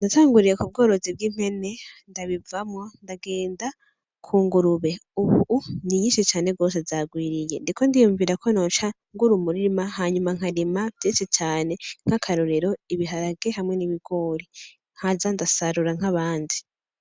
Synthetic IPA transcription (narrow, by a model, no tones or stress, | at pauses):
ndataːŋɡuɾijekub̚ɡo̞ːɾo̞zib̚ɡiːm̥he̞ne̞ndaβivamwandaɡe̞ːnda | kʰuːŋɡuɾuβe̞uβuniɲiːnʃit͡ʃaːne̞ɡo̞ːs̬e̞zaɡwiːɾije̞ndikʰo̞ndijuːɱviːɾakʰo̞no̞ːt͡ʃa | ŋɡuɾumuɾiimahaːɲumaŋ̥haɾimavjeːset͡ʃaːne̞ŋ̥akʰaɾoɾeɾo̞iβiɦaɾaɡ̥ehamŋe̞niβiɡ̥o̞ɾi | ŋ̥hazandasaɾuɾaŋ̥haβaːndi